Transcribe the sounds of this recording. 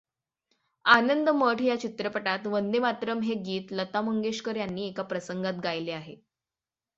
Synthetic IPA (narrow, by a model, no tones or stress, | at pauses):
anənd̪əməʈʰjat͡ɕit̪ɾəpəʈat̪ʋənd̪emat̪ɾəmɦeɡiːt̪lət̪aməŋɡeɕkəɾjanːiːekapɾəsəŋɡat̪̚ɡajleaɦe